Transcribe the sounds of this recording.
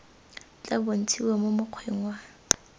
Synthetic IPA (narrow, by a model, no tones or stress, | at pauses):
t͡ɬʼabon̩t͡sʰiwemomʊq͡χʰweŋwa